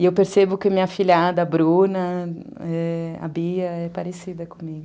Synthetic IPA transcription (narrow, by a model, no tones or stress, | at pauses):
ɪewpeɾsebʊkɪmĩɲɐfiʎad̪ɐbɾunɐ | ɛɐ̰biɐɛpaɾesid̪ɐkõmiɡʊ